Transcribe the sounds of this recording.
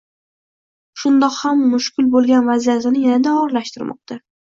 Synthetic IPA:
ʃʊnd̪ɒqhamːʊʃkʲɪlbolˠɡʲanvazijasɪnɪjanad̪aɒɾlaʃt̪ɪɾmʔɒ̰q̚t̪ʰa

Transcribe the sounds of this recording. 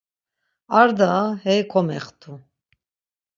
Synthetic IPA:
aɾd̪ahɛkʰɔmɛ̰χt̪ʰu

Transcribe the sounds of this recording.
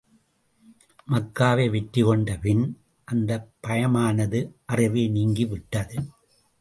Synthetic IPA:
mɐkːaːʋeːʋɪʈːɾɯkɔɳɖɐpɪn | ʔɐnd̪ɐpːɐjɐmaːnɐðɯʔɐrɪʋeːniːŋɡiʋɪʈːɐðɯ

